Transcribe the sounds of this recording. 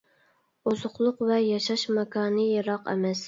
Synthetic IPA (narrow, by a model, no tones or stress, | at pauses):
ozʊχlˠʊqvɛjɑʃɑʃmɑkʰɑːnɨjeɾɑqɛ̰mɛs